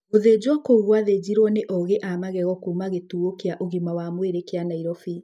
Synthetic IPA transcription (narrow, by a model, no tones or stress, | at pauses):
oðeːd͡ʑwɔkoɣwaðed͡ʑiɾwɔneʔɔɣeʔamaɣɛɣɔkumaɣetuːokeaʔoɣimawamweɾekeanaiɾɔfi